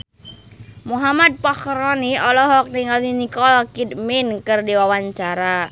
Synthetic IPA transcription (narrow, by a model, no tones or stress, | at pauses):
muɦamad̪̚pahɾɔniɔlɔɦɔk̚niŋalninikɔlkidminkɨrdiwawaɲt͡ʃaɾa